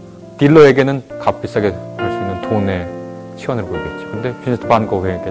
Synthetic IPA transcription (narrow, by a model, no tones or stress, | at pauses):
tiɭːʌe̞ɡe̞nɯnkap͈is͈aɡepoɭs͈unːɯntone̞ | t͡ɕʰiwʌnɯɭɡojiɡet̚t͡ɕ͈i̥kʰɯnde̞pinetʰpanɡoɡeɡe